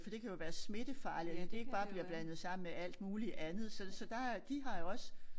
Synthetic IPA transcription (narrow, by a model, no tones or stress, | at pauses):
fɒ̽d̥e̝kʰæjo̝ʋæːɐsme̝d̥əfɑ̈ːliðend̥e̝e̝ɡ̥̚b̥ɑ̈ːb̥liɐb̥lænð̞̩ˠsɑ̈m̰n̩meæl̰d̥̚muːliʔænð̩ˠsɒ̽sɒ̽d̥ɑ̈d̥iɦɑ̈jo̝ɒ̽s